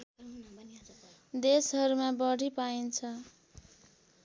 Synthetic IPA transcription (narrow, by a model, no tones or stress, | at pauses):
d̪esɦʌɾumabʌɽ̤ʱipaint͡sʰʌ